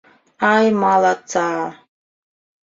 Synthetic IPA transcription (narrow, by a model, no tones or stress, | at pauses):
ajmalat͡saː